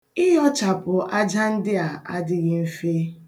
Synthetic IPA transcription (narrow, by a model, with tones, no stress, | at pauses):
ɪ˦ɦɔ˦t͡ʃa˨pʊ˨ʔa˦d͡ʒa˦n̩˦dɪ˦a˨a˦dɪ˦ɣɪ˦m̩˦fe˦